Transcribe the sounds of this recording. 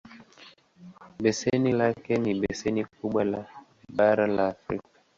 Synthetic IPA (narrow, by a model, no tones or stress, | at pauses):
bɛsɛnilakɛniɓɛsɛnik̚uɓwala | ɓaɾalaːfɾikḁ